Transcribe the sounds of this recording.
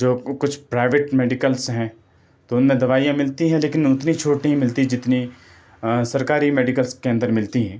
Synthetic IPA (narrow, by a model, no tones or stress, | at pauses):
d͡ʒoːkʊt͡ʃʰpɾaːɪʋeːʈmeːɖɪkəlsɦɛ̃ː | t̪oʊnmẽd̪ɐʋaːijãmɪlt̪iɦɛ̃leːkɪnʊt̪nit͡ʃʰoːʈnɐɦĩmɪlt̪id͡ʒɪt̪ni | sɐɾkaːɾimeːɖɪkəlskeɐ̃nd̪əɾmɪlt̪iɦɛ̃ː